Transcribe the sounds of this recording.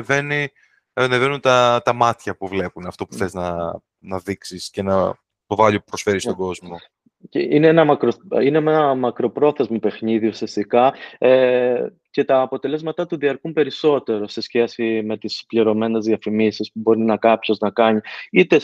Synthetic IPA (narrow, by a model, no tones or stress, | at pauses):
ve̞ni | ɐnevenunt̪ɐt̪ɐmɐt̪çɐpuvle̞punɐft̪o̞pu̥θe̞znɐ | nɐðiksiscenɐ | t̪ovɐʎipɾo̞sfe̞ɾist̪oɡo̞zmo̞ | ceineenɐmɐkɾoine̞meɐmɐkɾo̞pɾo̞θe̞zmɐpe̞xniðiusiɐst̪ikɐe | ce̞t̪ɐːpo̞t̪ele̞zmɐt̪ɐt̪uðiɐɾkumpe̞ɾiso̞t̪e̞ɾo̞se̞sçe̞sime̞t̪ispliɾo̞me̞ne̞zðiɐfimisispubo̞ɾinɐkɐpço̞znɐkɐɲiit̪e̞